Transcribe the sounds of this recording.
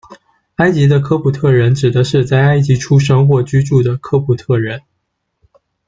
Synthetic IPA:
a˥ɪt͡ɕi˧˥d̪ə˧kʰɤ˥pʰu˨˩t̪ʰɤ˥˩ɻə˧˥nʈ͡ʂɻ̩˨˩d̪ə˦ʂɻ̩˥˧t͡sa˥˩ɪa˥ɪt͡ɕi˧˥ʈ͡ʂʰu˥ʂɤ˥ŋxwɔ˥˩t͡ɕy˥ʈ͡ʂu˥˩d̪ə˩kʰɤ˥pʰu˨˩t̪ʰɤ˥˩ɻə˧˥n

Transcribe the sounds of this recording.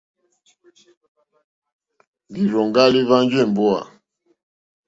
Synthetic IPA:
ŋɡi˨ɾɔ˨ŋɡa˦li˦va˦nd͡ʒɛ˦˨m˨bɔ˦a̰˨

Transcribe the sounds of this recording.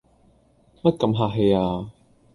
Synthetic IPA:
mɐ˥t̚kɐ˨˧mɦaː˧˩kɦe˨˧jaː˧

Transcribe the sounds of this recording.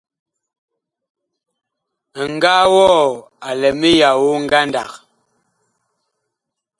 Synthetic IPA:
ŋ˨ɡa˦wɔː˦˨ | a˨lɛ˨mi˦ja˨wo˦ŋ̩˦ɡa˦nda˨k̚

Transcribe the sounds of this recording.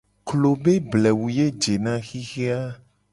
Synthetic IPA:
klo˨be˦blɛ˨wu˨je˦d͡ʒe˨nã˦xi˦xe˦a˦

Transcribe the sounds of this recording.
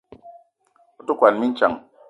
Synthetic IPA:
u˦tu˦kwa˨nmi˦n̩˦t͡ʃa˨ŋ

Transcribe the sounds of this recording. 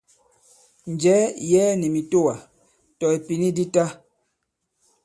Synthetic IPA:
n˨d͡ʒɛ˨˦jɛː˦ni˨mi˨to˦˨wa˨ | tɔ˨e˨pi˨ni˦di˦ta˦

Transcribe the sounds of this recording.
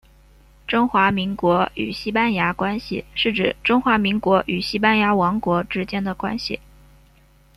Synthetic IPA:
ʈ͡ʂʊ˥ŋxwa˧˥mi˧˥ŋkwɔ˧˥y̰˨˩ɕi˥pa˥nja˧˥kwa˥nɕḭ˨ʂɻ̩˥˩ʈ͡ʂɻ̩˨˩ʈ͡ʂʊ˥ŋxwa˧˥mi˧˥ŋkwɔ˧˥ʔy˨˩ɕi˥pa˥nja˧˥wɑ˧˥ŋkwɔ˧˥ʈ͡ʂɻ̩˥t͡ɕjɛ˥nd̪ə˨kwa̰˥nɕḭ˨˩

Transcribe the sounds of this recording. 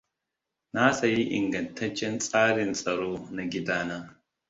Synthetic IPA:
na˦sɐ˨ji˦ʔɪ̰˨ŋɡɐ˨ntʰɐ˦t͡ʃːɛ˦nsʼaː˦ɽɪ˨nsʼɐ˨ɽoː˦na˨ɡʲɪ˦daː˦naː˦

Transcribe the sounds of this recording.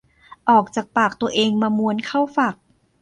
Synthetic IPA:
ʔɔː˨˩k̚t͡ɕaː˨˩k̚paː˨˩k̚t̪u˧əʔeː˧ŋmaː˧mu˧ənkʰa˥˩wfaː˨˩k̚

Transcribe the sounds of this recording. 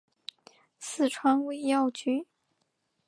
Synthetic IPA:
sɹ̩˥˩ʈ͡ʂʰwa˥ŋwe˥˩ɪjɑ˥˩ʊt͡ɕy˥

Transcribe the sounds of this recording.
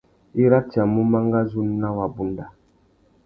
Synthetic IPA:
i˦ɾa˦ti˨a˨mu˦ma˦ŋɡa˦zu˦n˦na˦wa˨bu˦nda˨

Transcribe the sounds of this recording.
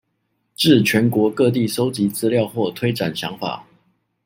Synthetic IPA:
ʈ͡ʂɻ̩˥˩t͡ɕʰɥɛ˧˦˥nkwɔ˧˥kɤ˥˧t̪̬i˥˨so˥ʊt͡ɕi˨˥t͡sɹ̩˥ljɑ˥˧ʊxwɔ˥˨t̪ʰwe˥ɪʈ͡ʂa˨˩nɕjɑ̰˧˥ŋfa̰˨˩˦

